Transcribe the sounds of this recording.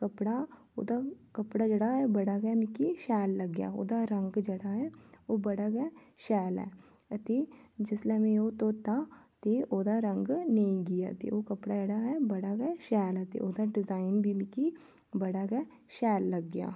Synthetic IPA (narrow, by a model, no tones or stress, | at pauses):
kəpɽa | o̰ːd̪akəpɽad͡ʒeɽaɦɛbəɽaɡɛmɪkiʃɛːlːəɡja̰ːo̰ːd̪aɾəŋɡd͡ʒeɽaɦɛːoːbəɽaːɡɛː | ʃɛːlɛ̰ː | t̪eːd͡ʒɪslɛːmẽoːt̪oːt̪aːt̪eoːd̪aɾə̃ŋɡnəĩɡɪja̰ːt̪ḛoːkəpɽad͡ʒeɽaːɦɛbəɽaɡɛʃɛːlɛt̪ḛʔoːd̪aɖɪzaːɪnbʱimɪki | bəɽaːɡɛ | ʃɛːlːəɡːja̰ː